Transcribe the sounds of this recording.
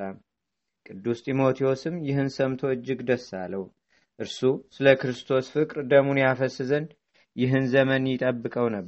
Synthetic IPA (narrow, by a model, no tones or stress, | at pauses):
am | kʼɨd̪ːust̪ʰʼimo̞t̪ʰio̞sɨmjɪɦɨnsəmt̪ʰo̞ɨd͡ʒːɪɡd̪əsːalːəhu | ʔɨɾsusɨləkɾɨst̪ʰo̞sfɨkʼɾd̪əmunjafəsːɨzɨn | jɪɦɨnzəmənjɪt̪ʼəbːɨkʼəwnəb